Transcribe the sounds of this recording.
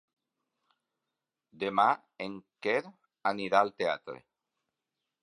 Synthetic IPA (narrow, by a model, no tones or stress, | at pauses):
d̪ema | eŋkeɾ | aniɾaːlt̪ea̰t̪ɾḛ